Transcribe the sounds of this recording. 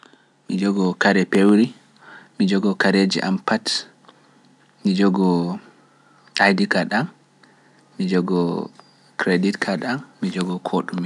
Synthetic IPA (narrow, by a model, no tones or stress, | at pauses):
mid͡ʒɔɡɔkaɾɛpewɾi | mid͡ʒɔɡɔkaɾed͡ʒḭʔa̰mpat | mid͡ʒɔɡɔ | ajdikaɗamː | id͡ʒɔɡɔ | kɾeditkʰaɗamːid͡ʒɔɡɔkʰoɗumi